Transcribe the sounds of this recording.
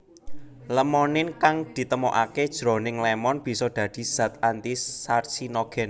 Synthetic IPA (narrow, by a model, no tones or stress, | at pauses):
ləmɔnɪnkaŋd̪̥i̤t̪əmoʔa̰ked̥ʒ̥ɾo̤nɪŋlɛmɔnb̥i̤sɔd̪̥ä̤d̪̥i̤z̥a̤t̪ant̪isarsinɔɡ̥ɛn